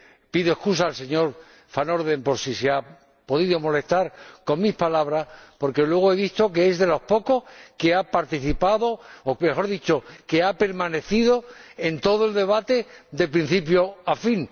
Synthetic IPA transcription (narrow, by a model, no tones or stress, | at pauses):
piðoe̞skus̬aːlse̞ɲo̞ɾ | fano̞ɾðẽ̞mpo̞ɾsisea | po̞ðiðomo̞le̞st̪aɾko̞ŋmispalaβɾaspo̞ɾke̞lwe̞ɣ̞oe̞β̞ist̪o̞keezðe̞lo̞hpo̞ko̞hke̞apaɾt̪iθipaðo̞ːme̞xo̞ɾðit͡ʃoke̞ape̞ɾmãne̞θiðo̞ent̪o̞ð̞oe̞ld̪e̞β̞at̪e̞d̪e̞pɾin̟θip̬jo̞afin